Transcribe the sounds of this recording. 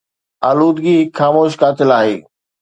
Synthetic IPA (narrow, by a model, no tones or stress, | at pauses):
aːluːd̪ɡixaːmoːʃ̬kaːt̪ʰɪlaːɦḛː